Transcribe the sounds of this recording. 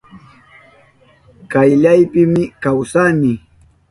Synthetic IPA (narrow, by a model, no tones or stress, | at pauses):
kajʎajpɪmɪkawsanɪ